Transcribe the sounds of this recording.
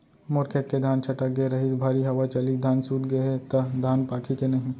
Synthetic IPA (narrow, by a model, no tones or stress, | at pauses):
mʊɾkʰet̪̚ked̪ʱaːnt͡ʃʰɐʈək̚ɡeɾɐɦibʱaːɾiɦɐʋat͡ʃɐlid̪ʱaːnsuːt̪ɡɐeɦet̪ɐd̪ʱaːnpaːkʰikenɐɦĩ